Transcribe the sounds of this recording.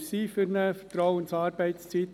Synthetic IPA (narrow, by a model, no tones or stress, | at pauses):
siːfʏɾnəfə̥tɾɔwənsɑːɾb̥ɛɪtst͡sit̪